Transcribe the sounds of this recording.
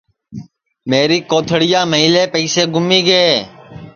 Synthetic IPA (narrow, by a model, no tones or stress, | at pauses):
meːɾiːkoːt̪ʰəɽɪjaːməɦiːleːpəiːseːɡʊmːiːɡəeː